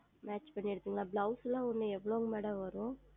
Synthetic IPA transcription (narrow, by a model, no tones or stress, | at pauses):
maːt͡ʃpɐɳːɪɽɯt̪ːiːŋɡɐlãːblɐwslãːʊnːɯɛʋːɐɭoːŋɡɐmeːɽɐ̃ʋɐɾʊ̃